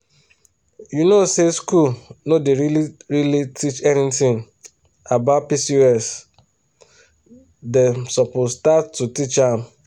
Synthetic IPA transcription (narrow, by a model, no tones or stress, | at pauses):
junoseskulnodeɾiliɹilitʰit͡ʃɛnitĩŋ | abaʊt̚pisiɛs | desɔpʊstatːutit͡ʃãm